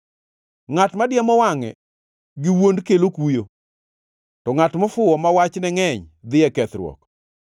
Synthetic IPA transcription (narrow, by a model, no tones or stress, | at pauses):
ŋatmadjamɔwaŋɛ̰ | ɡiwondkelokujo | tɔŋatmɔfʊɔmawat͡ʃnɛŋɛɲd̪ɪɛkɛt̪ɾwɔ̰k